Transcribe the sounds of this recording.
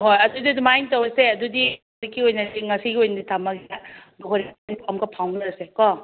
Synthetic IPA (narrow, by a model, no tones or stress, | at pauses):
ɦojɐdudidumajntɐwɐseɐdudi | zikːiojnɐsiŋɐsiɡiojnɐditʰamɐɡiaduɦʰoɾinipamkɐpʰawnɐɾɐsekɔ